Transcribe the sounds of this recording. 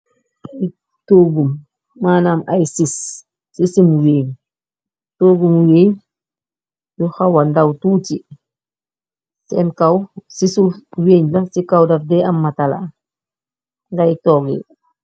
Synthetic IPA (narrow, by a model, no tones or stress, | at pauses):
aj | toːɡumː | aːnamajsisː | isimuweːɲ | toːɡumweːɲ | juxawandawtuːti | sɛmkawsisuweːɲlasikawdafdɛamːatala̰ | ŋɡajtɔɡḭ